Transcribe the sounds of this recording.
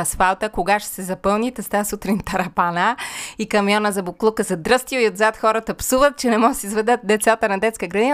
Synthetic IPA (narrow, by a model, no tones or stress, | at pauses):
ɐsfalˠt̪əkoɡaʃɛ̥sɛzɐpɤlˠnit̪ɛst̪asut̪ɾint̪ɐɾɐpanaikɐmjɔnəzɐboklˠukəzɐd̪ɾɤst̪ioiod̪zat̪xɔɾət̪ɐpsuvət̪̚t͡ʃɛnɛmɔɡəsʲizvɛd̪ət̪̚d̪ɛt̪sat̪ənɐd̪ɛt̪skəɡɾɐd̪in